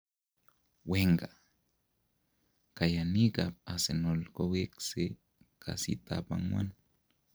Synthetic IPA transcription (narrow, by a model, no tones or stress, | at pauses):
weŋka | kajanikapasenolkowikse | kʰa̰sit̪a̰panmwa̰n